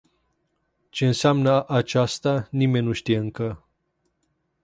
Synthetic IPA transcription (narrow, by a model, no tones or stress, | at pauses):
t͡ʃe̞ɨnseamnəʔat͡ʃast̪animenʲnuʃt̪ije̞ɨŋkə